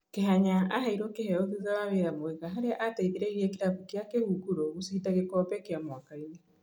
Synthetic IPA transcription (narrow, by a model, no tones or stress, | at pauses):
keɦaɲaʔaɦaiɾɔkehɛoðizawaβeɾamoɛɣaɦaɾeaʔataiðeɾeɣiɛkeɾapukeakehukuɾoɣusiitaɣekɔpɛkeamwakaine